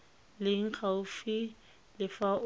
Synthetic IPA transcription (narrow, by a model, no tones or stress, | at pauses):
lɪŋ̩k͡xʰaʊfi | lɪfa